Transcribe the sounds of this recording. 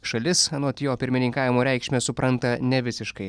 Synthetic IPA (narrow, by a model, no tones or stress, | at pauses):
ʃɐlʲɪsɐnoːt̪ʲjoːpʲɪɾʲmʲɪnʲɪŋkɑːʋʲɪmoːɾʲɛˑɪkʃʲmʲɛsʊpɾʔɐnt̪ɐnʲɛʋʲɪsʲɪʃkɐɪ